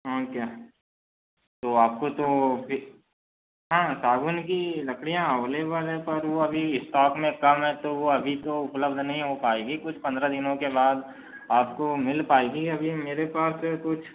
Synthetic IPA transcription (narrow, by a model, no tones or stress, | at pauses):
ɦãːkjaː | t̪oaːp̚kot̪opʰɪ | ɦãːsaːɡʊnkilɐkɽijãɐʋleʋəlɛpɐɾʋoɐbʱiɪsʈaːkmẽkɐmɦɛ̃t̪oʋoɐbʱit̪oʊpləbd̪ʱnɐɦĩɦopaːeːɡikʊt͡ʃʰpɐ̃nd̪ɾad̪ɪnõkebaːd̪ | aːp̚komɪlpaːeːɡiɐbʱimeːɾepaːskʊt͡ʃʰ